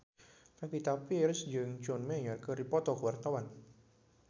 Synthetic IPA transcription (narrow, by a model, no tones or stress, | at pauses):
kapit̪apiɾʊsd͡ʒɨŋd͡ʒɔnmɛjɔrkəɾipɔt̪ɔkəwart̪awan